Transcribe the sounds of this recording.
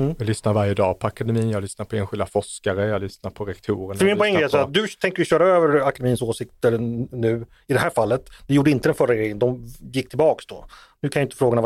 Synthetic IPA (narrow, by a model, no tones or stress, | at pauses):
jalʏsnaɾvaɾjəd̪ɑːpʰɔakad̪ɛmiːnjalʏsnaɾpʰɔeːnɧɪld̪afɔʂkaɾəjɑlʏsnaɾpʰɔɾɛkt̪ʰuːɾəɾmɪnpʰɔɛŋːɛsaːɾat̪̚d̪ɵt̪ʰɛŋkəjʏɕœːɾaøːvəɾakad̪ɛmiːnsoːsɪk̚t̪əɾnʉ̟ː | ɪd̪ɛɦæːɾfalːət̪d̪ɛjuːɖəɪnt̪əd̪ɛnfœɾaɡɾɛjːənd̪ɔmjɪkːt̪ʰɪlbɑːksd̪ɔ̰ | nʉ̟ːkʰanjaɪt̪əfɾoːɡana